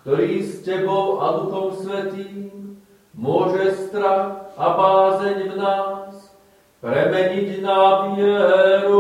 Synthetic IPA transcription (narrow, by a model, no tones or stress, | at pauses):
kt̪ɔɾiːscɛbɔʊʔa̰d̪uxɔmsʋɛt̪iːm | mʊɔʒɛst̪ɾaxʔabaːzɛɲvnaːs | pɾɛmɛɲiɟnaːbiɛɦɛːɾu